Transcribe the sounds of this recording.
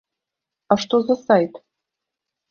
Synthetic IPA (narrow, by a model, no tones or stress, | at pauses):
aʃt̪ozasajt̪